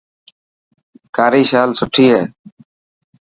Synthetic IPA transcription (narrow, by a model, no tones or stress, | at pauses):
kaːɾiːʃaːlsʊʈʰiːɦeː